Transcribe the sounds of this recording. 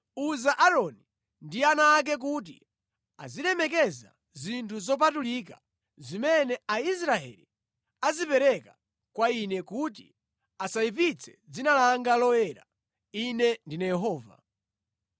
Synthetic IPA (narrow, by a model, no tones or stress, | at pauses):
uzaʔaɾɔni | ndianaːk̬ɛk̬ut̬ḭ | a̰ziɗɛmɛkɛza̰ | zintʰuzɔp̬atulika | zimɛnɛaisɾaɛ̰li | azipɛɾɛka | kwainɛkut̬ḭ | asaip̬it͡sʰɛ̥d͡zinalaŋɡalɔjɛɾa̰ | inɛndinajɛɦɔːva̰